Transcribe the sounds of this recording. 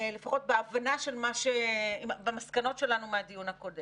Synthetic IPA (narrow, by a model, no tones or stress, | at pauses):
lefaχo̞t̚beavanaʃe̞lmaʃeimbamaskano̞tʃe̞lanumeadijunhako̞dem